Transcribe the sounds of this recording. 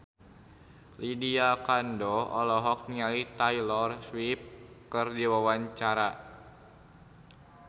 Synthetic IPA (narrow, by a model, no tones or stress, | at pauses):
lidiakandɔɔlɔɦɔk̚nialit̪ajlɔrswip̚kɨrdiwawaɲt͡ʃaɾa